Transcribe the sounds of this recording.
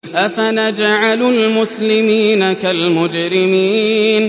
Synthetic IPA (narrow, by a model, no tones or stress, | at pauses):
ʔafanad͡ʒaʕalulmʊslɪmiːnakalmʊd͡ʒɾɪmiːn